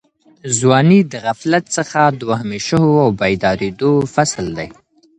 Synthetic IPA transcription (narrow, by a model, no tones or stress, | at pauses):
zwɑnid̪əɣaflat̪səxad̪wahmeʃəɦoawbajd̪ɑɾed̪ofasld̪aj